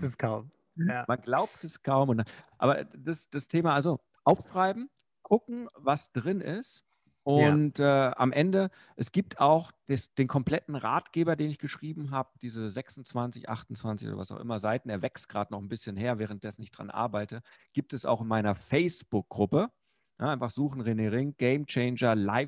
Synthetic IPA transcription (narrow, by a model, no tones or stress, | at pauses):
sskʰaʊm | manɡlaʊp̚tɛskʰaʊmʊndanʔa̰ːbɐdasd̥astʰeːmaʔalzo | ʔaʊfʃʁ̥aɪbm̩ | kʰʊkŋ̩vasd̥ʁɪnɪst | ʔʊntʔɛːʔa̰mʔɛndə | ʔɛsɡ̥iːp̚tʰaʊxd̥esd̥eːnkʰɔmpl̥ɛtn̩ʁaːtɡ̥eːbɐdeːnɪçɡ̥əʃʁ̥iːbm̩ɦaːbəd̥iːzəzɛksʊn̩t͡sv̥ant͡sɪçʔa̰χtʊn̩t͡sv̥ant͡sɪço̰ːdɐva̰saʊxʔɪmɐzaɪtn̩eːɐvɛkstɡ̥ʁaːdənɔχn̩bɪsçənɦeːɐvɛːʁ̞ənt̚d̥ɛsn̩ɪçd̥ʁa̰nʔa̰ɐbaɪtəɡ̥iːp̚tɛsa̰ʊxɪnmaɪnɐfɛɪsb̥ʊk̚ɡ̥ʁʊpə | naʔaɪnfaχz̥uːχn̩ʁeneʁɪŋɡ̥ɛɪmt͡ʃɛɪnd͡ʒɐlaɪ